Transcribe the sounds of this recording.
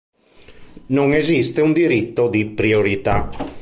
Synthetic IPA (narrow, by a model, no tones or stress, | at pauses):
noŋezist̪eund̪iɾit̪ːod̪ipɾioɾit̪a